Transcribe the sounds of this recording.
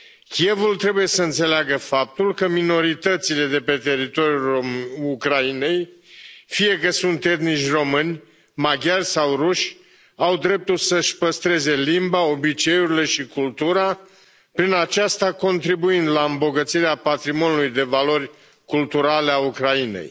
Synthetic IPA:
kʲie̞vult̪ɾe̞buje̞səɨnt̪se̞leaɡəfap̚t̪ulkəmino̞ɾit̪ət̪sile̞d̪e̞pe̞t̪e̞ɾit̪o̞ɾʲjuukɾaine̞jfije̞kəsunt̪e̞t̪nit͡ʃʲro̞mɨnʲ | maɡʲarʲsawruʃ | awd̪ɾe̞p̚t̪ulsəʃʲpəst̪ɾe̞ze̞limbao̞bit͡ʃe̞uɾile̞ʃikult̪uɾa | pɾinat͡ʃast̪ako̞nt̪ɾibuind̪laɨmbo̞ɡət̪siɾeapat̪ɾimonulujd̪e̞valo̞rʲ | kult̪uɾaleaukɾainḛj

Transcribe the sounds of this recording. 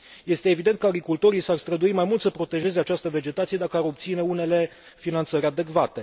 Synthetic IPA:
je̞st̪e̞ːvid̪e̞nt̪kəaɡɾikult̪o̞ɾijsarst̪ɾəd̪uimajmult̪səpɾo̞t̪e̞ʒe̞ze̞at͡ʃast̪əve̞d͡ʒe̞t̪at̪sied̪akəaɾo̞p̚t̪sine̞une̞le̞ | finant̪səɾʲad̪e̞kvat̪e̞

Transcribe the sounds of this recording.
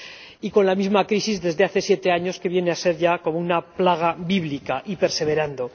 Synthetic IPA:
iko̞nlamizmakɾisizðe̞zðe̞aθe̞sje̞t̪e̞aɲo̞ske̞βje̞nease̞ɾʝako̞mounaplaɣ̞abiβlikaʔipe̞ɾse̞βe̞ɾand̪o̞

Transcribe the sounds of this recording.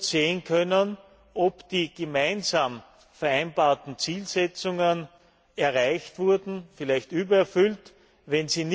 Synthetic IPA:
seːənkʰœnən | ʔopd̥iːɡ̥emæɪnzaːm | fɛɐaɪnbaːɐtn̩t͡siːlsɛt͡sʊŋən | ɛɐʁaɪçtv̥ʊɐdn̩fɪlæɪçtʔyːbɐɛɐfʏlt | vɛnziːn

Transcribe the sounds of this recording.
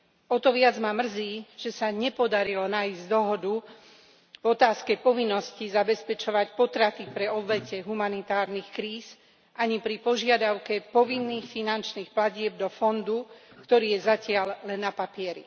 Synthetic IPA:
ɔt̪ɔʋɪad͡zmamr̩ziːʒ̥ɛsaɲɛpɔd̪aɾilɔnaizɟd̪ɔɦɔd̪u | vɔt̪aːskɛpɔʋinːɔscizabɛspɛt͡ʃɔʋacpɔt̪ɾat̪ipɾɛɔbʋɛcɛɦumanit̪aːɾnixkɾiːs | ʔaɲipɾipɔʒɪad̪aʊkɛpɔʋinːiːxfinant͡ʃniːxplaɟɪɛb̚d̪ɔfɔnd̪ukt̪ɔɾiːjɛzacɪallɛnːapapɪɛɾḭ

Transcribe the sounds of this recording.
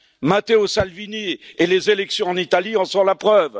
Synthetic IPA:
mat̪eosalvinielezelɛksjɔ̃ɑ̃nit̪aliɑ̃sɔ̃lapχœv

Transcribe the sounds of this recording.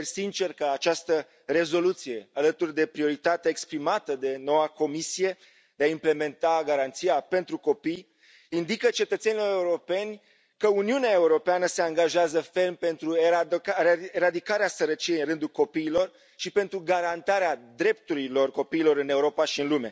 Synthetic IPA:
sint͡ʃe̞rkəat͡ʃast̪ə | re̞zo̞lut̪sije̞alət̪urd̪e̞pɾio̞ɾit̪at̪eaekspɾimat̪əd̪e̞no̞wako̞misije̞ | d̪̥e̞aimple̞me̞nt̪aɡaɾant̪siape̞nt̪ɾuko̞pij | ind̪ikət͡ʃe̞t̪ət̪senilo̞ɾe̞uɾo̞pe̞nʲ | kəuniuneae̞uɾo̞peanəse̞aŋɡaʒeazəfe̞lmpe̞nt̪ɾue | eɾad̪ikaɾeasəɾət͡ʃijejɨnrɨnd̪ulko̞piːlo̞r | ʃipe̞nt̪ɾuɡaɾant̪aɾead̪ɾe̞p̚t̪uɾilo̞rko̞piːlo̞ɾɨne̞uɾo̞paʃiɨnlume̞

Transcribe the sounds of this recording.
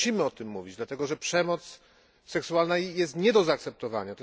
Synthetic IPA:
ɕimɘɔt̪ɘmːuvʲid͡ʑd̪lat̪ɛɡɔʐɛpʂɛmɔt̪s | sɛksuwalnajɛst̪ɲɛd̪ɔzaːk̚t̪sɛp̚t̪ɔva̰ɲat̪

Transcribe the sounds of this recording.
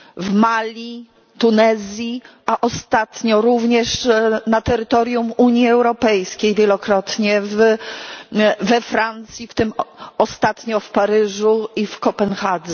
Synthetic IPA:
vmalʲi | t̪unɛzʲji | aʔɔst̪at̪ɲɔɾuvɲɛʂnat̪ɛɾɘt̪ɔɾʲjumuɲjiɛwɾɔpɛjskʲejvʲjɛlɔkɾɔt̪ɲɛv | vɛfɾant̪sʲjift̪ɘmɔst̪at̪ɲɔfpaɾɘʐuifkɔpɛnxad̪zɛ

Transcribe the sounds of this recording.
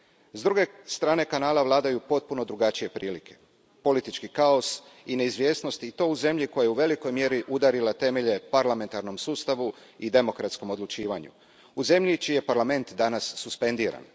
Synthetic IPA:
zd̪ɾuɡe̞st̪ɾaːne̞kanaːlaʋlˠaːd̪ajupo̞t̪̚puno̞d̪ɾuɡat͡ʃije̞pɾiːlikʰe̞ | po̞lit̪it͡ʃkikao̞sineizʋje̞ːsnost̪iːt̪o̞ːuze̞mʎiko̞jajeuʋe̞liko̞jmje̞ɾiʔud̪aɾilat̪e̞me̞ʎe̞paɾlame̞nt̪aɾno̞msuːst̪aʋuid̪e̞mo̞kɾat̪sko̞mo̞d̪lˠut͡ʃiːʋaɲṵ | uze̞mʎit͡ʃiːje̞paɾlˠame̞nt̪d̪anasːuspe̞nd̪iːɾa̰n

